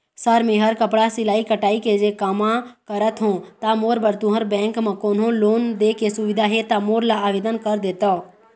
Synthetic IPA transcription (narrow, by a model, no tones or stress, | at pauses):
səɾmẽɦəɾkəpɽasɪlaːikəʈaːiked͡ʒekəmãkəɾət̪ɦõt̪amoːɾbəɾt̪ʊɦəɾbɛ̃ːŋkmə̃koːnɦõloːnd̪ekesʊʋɪd̪ʱaɦɛt̪amoːɾlaːʋeːd̪ənkəɾd̪eːt̪a